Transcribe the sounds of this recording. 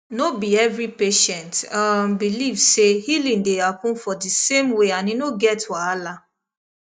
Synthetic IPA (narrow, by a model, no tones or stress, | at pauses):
nobiɛvɾipeʃɛ̃ntãmbilivsehilĩndehapɔ̃nfɔdisemweanĩnoɡɛtwaala